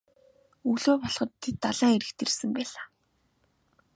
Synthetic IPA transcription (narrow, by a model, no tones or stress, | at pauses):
uɮoːpɔɮχɞ̆t̪ʰːet̪ːaɮaːŋeɾɘ̆kt̪ʰersɘ̆mpæːɮaː